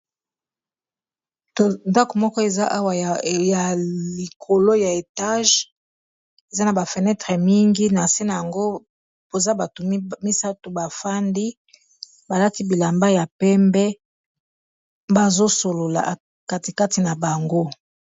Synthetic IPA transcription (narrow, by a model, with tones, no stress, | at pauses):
nda˦ko˨mɔ˦kɔ˦e˨za˦ʔa˦wa˨ja˨li˨kʰo˨lo˦ja˨e˨ta˦ʒ | e˨za˦na˨ba˨fɛ˨nɛ˦tʁɛ˨mi˦ŋɡi˦na˨si˦na˨ja˨ŋɡo˦ | bo˨za˦ba˨to˨˦mi˦sa˦to˨ba˨fa˦ndi˦ | ba˨la˦ti˦bi˨la˨mba˦ja˨pɛ˦mbɛ˦ | ba˨zo˦so˨lo˨la̰˨ʔa˨ | ka˦ti˨ka˦ti˨na˨ba˨ŋɡo˦